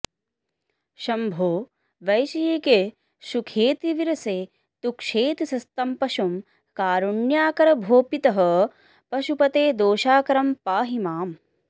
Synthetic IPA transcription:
ʃɐmbʱoː | ʋɐjʃɐjeːke | ʃukʰeːt̪iʋiɾɐseː | t̪ukʂeːt̪isɐst̪ɐmpɐʃum | kaːɾuɳjaːkɐɾɐbʱoːpit̪ɐɦɐ | pɐʃupɐt̪eːd̪oːʃaːkɐɾɐmpaːɦimaːm

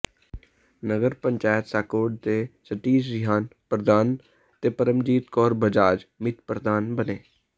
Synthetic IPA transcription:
nəɡəɾpəɲt͡ʃaːjət̪saːkoːɖ̚t̪eːsəʈːiːsd͡ʒɪɦaːnpɾəd̪aːn | t̪eːpəɾəmd͡ʒiːt̪kɔːɾbəd͡ʒaːd͡ʒmɪt̪pɾəd̪aːnbəneː

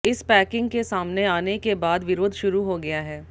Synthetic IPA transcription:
ɪspɛːkɪ̃ŋɡkesaːmneaːnekebaːd̪ʋɪɾoːd̪ʱʃʊɾuɦoɡɐjaɦɛː

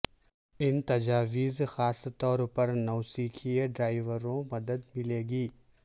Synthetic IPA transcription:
ɪnt̪ɐd͡ʒaːʋiːzxaːst̪ɔːɾpɐɾnɐːsiːkʰieɖɾaːɪʋəɾõmɐd̪əd̪mɪleːɡiː

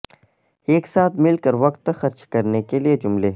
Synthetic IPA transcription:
eːksaːt̪ʰmɪlkɐɾʋɐqt̪ːxɐɾt͡ʃkɐɾnekelied͡ʒʊmleː

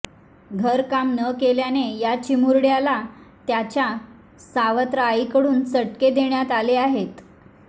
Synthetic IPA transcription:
ɡʱəɾkamnəkeljanejat͡ɕimuɾɽjalat̪jat͡ɕja | saʋət̪ɾəajikəɽuːnt͡səʈked̪eɳjat̪aleaɦet̪

